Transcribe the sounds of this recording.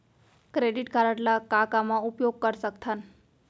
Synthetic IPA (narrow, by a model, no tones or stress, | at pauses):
kɾeɖiʈkaɾaʈlakakamãupjoɡ̚kəɾsəkt̪ʰan